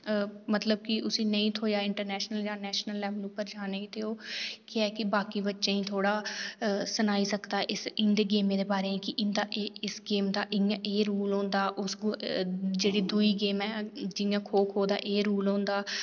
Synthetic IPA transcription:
mət̪ləb̚kɪʊsĩːnəĩːt̪ʰoːjaːɪɳʈəɾnɛːʃnəljãːnɛːʃnəlːɛːblũːpəɾd͡ʒaːnẽĩːt̪eoːkɪɛːkɪbaːkiːbətːʃẽːĩːt̪ʰoːɽaː | sənaːiːsəkd̪aːʔɪsɪ̃nd̪eːɡeːmẽːd̪eːbaːɾeːẽːkɪʔɪnd̪aːʔɪsɡeːmd̪aːʔɪãʔeːɾuːlõːnd̪aːʔʊsɡ | d͡ʒeːɽiːd̪uiːɡeːmɛːd͡ʒɪjãːkʰoːkʰɦoːd̪a̰ːʔeːɾuːlõːnd̪aː

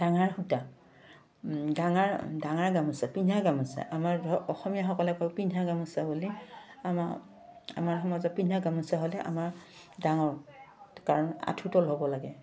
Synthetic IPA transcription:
d̥aŋaɹxuta | daŋaɹdaŋaɹɡamasɛpinaɡamasɛ̰ʔamaɹɔxɔmijaxɔkɔlɛkɔjpinʱaɡamɔsabuliam | a̰maɹxɔmɔzɔt̚pinaɡamusaɦolɛʔa̰maɹ | daŋɔɹkaɹɔna̰tʰutɔlɦɔbɔlaɡɛ

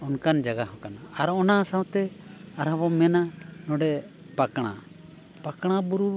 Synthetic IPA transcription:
ɔnkand͡ʒaɡaɦɔ̃kanaːɾɔnasãwt̪ɛaɾabɔmɛnanɔɖɛ | pakɽ̃a | pakɽ̃abuɾu

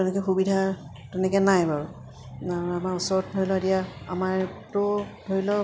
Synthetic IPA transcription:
tɛnɛkɛxubidʱa | tɛnɛkɛnajbaɹu | aɹamaɹusɔɹɔt̚bʱɔɹilɔdijaa̰maɹtʊbʱoɹilɔ

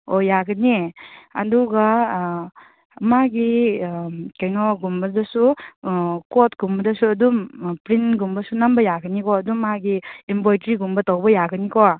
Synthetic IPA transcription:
ojaɡɐniɐ̰duɡa | maɡi | kajnɔɡumbɐdɐsu | kɔt̚ɡ̥umbɐdɐsuɐdumpɾintɡumbɐsunambɐjaɡɐnikɔɐdumːaɡiːmbɔjtɾiɡumbɐtawbɐjaɡɐnikɔ

